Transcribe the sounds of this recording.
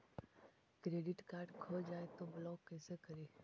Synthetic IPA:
kɾeːɖɪʈkaːɾɖkʰəd͡ʒaːet̪oblɔːɡ̚kːɛːsekəɾeː

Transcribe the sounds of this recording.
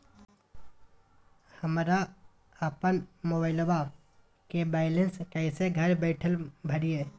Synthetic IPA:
həmɾa | əpənmoːbaːɪlba | kebɛːɪlə̃nskɛːɪseɡʱɐɾbɛːʈʰəlbʱəɽiɛː

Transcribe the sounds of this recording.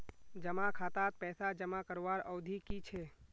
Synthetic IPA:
d͡ʒəmakʰaːt̪at̪̚pɛːsad͡ʒəmakəɾʋaɾəʊd̪ʱikit͡ʃʰe

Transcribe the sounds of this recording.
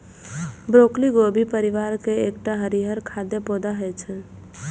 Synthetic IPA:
bɾoːkliɡoːbʱipəɾɪʋaːɾkeeːk̚ʈaɦəɾiɦəɾkʰaːd̪epoːd̪aɦet͡ʃʰɛ

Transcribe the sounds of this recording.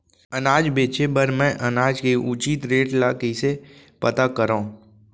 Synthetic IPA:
ənaːd͡ʒbeːt͡ʃebəɾmɛ̃ʔənaːd͡ʒkeʔuːt͡ʃit̪ɾeːʈlaːkise | pət̪akəɾãː

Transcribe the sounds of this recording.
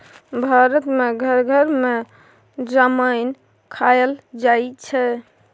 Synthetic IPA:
bʱaɾət̪meɡʱəɾɡʱəɾme | d͡ʒaməjn | kʰajəld͡ʒajt͡ʃʰɛ

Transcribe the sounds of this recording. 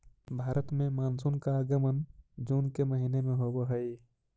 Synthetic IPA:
bʱaːɾət̪mẽmaːnsunkaɡəmənd͡ʒuːnkeməɦiːnemẽɦoboɦəi

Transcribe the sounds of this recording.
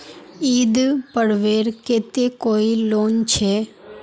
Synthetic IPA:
iːd̪pəɽʋeːɾket̪ekoːiloːnt͡ʃʰe

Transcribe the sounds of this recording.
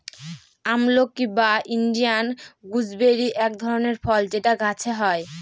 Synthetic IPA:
amlokːibainɖijanɡud͡ʑbeɾiʔɛk̚d̪ʱɔɾoneɾfɔld͡ʑeʈaɡʱat͡ɕʰeɦɔe

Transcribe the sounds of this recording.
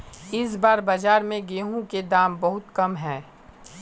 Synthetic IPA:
ɪs̬baːɾbad͡ʒaːɾmẽɡeːɦũked̪aːmbɐɦʊt̪kɐmɦɛ̃ː

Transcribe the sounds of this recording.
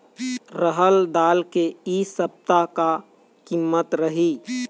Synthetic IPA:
ɾəɦəld̪aːlkeisəb̚t̪aka | kimːət̪ɾəɦi

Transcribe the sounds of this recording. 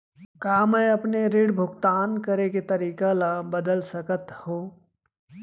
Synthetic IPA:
kaːmɛɐpneɾeɽbʱʊɡt̪aːnkɐɾeket̪ɐɾiːkalabəd̪əlsəkət̪hõː

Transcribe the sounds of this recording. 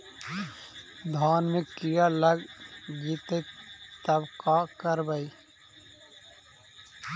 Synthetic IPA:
d̪ʱaːnmẽkijaləɡɡit̪et̪əbkakəɾbəi

